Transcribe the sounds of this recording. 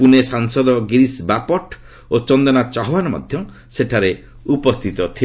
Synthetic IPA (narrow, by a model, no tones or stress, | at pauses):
punesaŋsɔd̪ɔɡiɾisbapɔʈ | ot͡ʃɔnd̪ɔnat͡ʃɔɦɔwanɔmɔ̰d̪ʱjɔ | seʈʰaɾe | upɔst̪ʰit̪ɔt̪ʰi